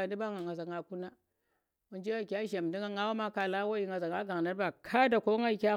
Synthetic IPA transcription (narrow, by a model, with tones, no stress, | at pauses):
a˨di˦ba˦ŋa˨ŋa˨za˨ŋa˨ku˦na˦ | wu˨nd͡ʒe˦wa˦˨kʲa˦ʒa˨m˨di˦ŋa˦ŋɡa˦wa˦ma˦ka˨la˦wa˦ji˦ŋa˨za˨ŋa˦ɡa˨a˦ba˨kʰa˦da˨ko˦ŋa˦i˨kʲa˦